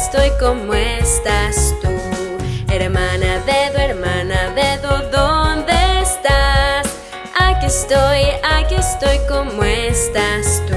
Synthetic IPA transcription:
st̪ojkomwest̪ast̪u | eɾmãnaðeðoeɾmãnaðeðoðond̪est̪as | akest̪ojakest̪ojkomwoest̪ast̪u

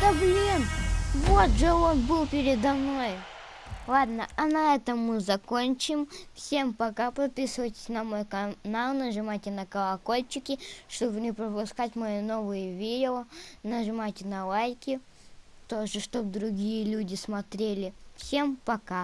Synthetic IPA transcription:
t̪əblʲimvo̞t̪ʐɨo̞nbɨlˠpʲɪɾʲɪd̪ɐmno̞j | lˠad̪nəɐnɐɛt̪əmːɨzɐkonʲt͡ɕɪmfsʲe̞mpɐkapɐt̪̚pʲisɨvəjtʲɪ̥sʲnɐmo̞jkɐnalˠnəʐɨmatʲɪnəkəlˠɐko̞lʲt͡ɕɪkʲɪʂt̪obnʲɪpɾəpʊskatʲmɐjino̞vɨjəvʲidʲɪonəʐɨmatʲɪnɐlˠajkʲɪ | t̪o̞ʐɨʂt̪o̞b̚d̪ɾʊɡʲijəlʲudʲɪsmɐt̪ɾʲelʲɪfsʲe̞mpɐka

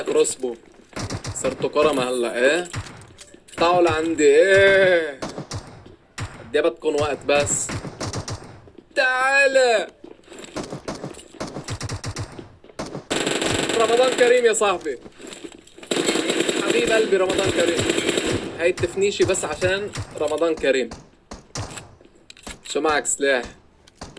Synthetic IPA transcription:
kɾˤɑsbo | sˤɑɾˤt̪okɑɾˤɑmæhælːæʔæː | t̪aʕolʕand̪iʔe | ʔæd̪ːæːbæt̪̚kunwæʔt̪bæsː | t̪aʕaːlæ | ɾˤɑmɑd̪ˤɑːnkæɾiːmjæsˤɑħbi | ħaɣiːbʔælbiɾˤɑmɑd̪ˤɑːnkæɾiːmhæːjt̪ːɪfniːʃibæsːʕaʃæːnɾˤɑmɑd̪ˤɑːnkæɾiːm | ʃumaʕakslaːħ

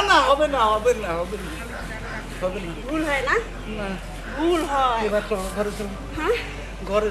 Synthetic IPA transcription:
naɦɔbenaɦɔbenaɦɔbena | ɦɔbenaɡʱulɦɔjna | na | ɡʱulɦɔebatʰɔɽɡʱɔɾet̪ʰil | hã | ɡʱɔɾe

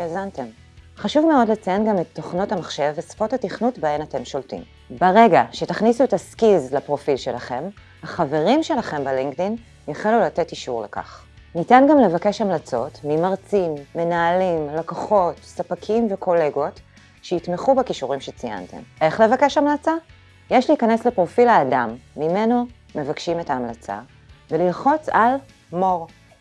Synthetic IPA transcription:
ʃazante̞m | χaʃuvmeo̞dlet͡sijanɡamet̪ʰːo̞χno̞tamaχʃevespo̞thatiχnutbaenate̞mʃo̞ltḭm | beʁe̞ɡaʃetaχnisuetaskizlapʁo̞filʃe̞laχe̞m | haχave̞ʁimʃe̞laχe̞mbeliŋɡtin | jaχilulate̞tiʃuʁlḛka̰χ | nitanɡamle̞vake̞ʃamlat͡so̞tmimaʁt͡sinːe̞naːlimlakoχo̞tsapakʰimvekʰo̞le̞ɡo̞t | ʃeitmeχubekiʃuʁimʃet͡sija̰ntḛmʔe̞χle̞vake̞ʃamlat͡sa | jeʃliːkaneslepʁo̞filaːdamːime̞no̞ | me̞vakʃime̞taːmlat͡sa̰ | velilχo̞t͡sal | mo̞ʁ

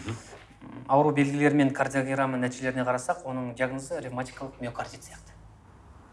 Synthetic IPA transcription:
ɑwəɾube̞lɡʲɪle̞ɾɪme̞ŋkʰard̪ʲijoɡʲɾamːənæt̪iʒele̞ɾɪne̞qʰɑɾɑsɑqwo̞nəɴʒijɑɡnozəɾʲivmat̪ʲijkalˠəqmʲeokʰard̪ʲijt̪sjɑqt̪ə̥

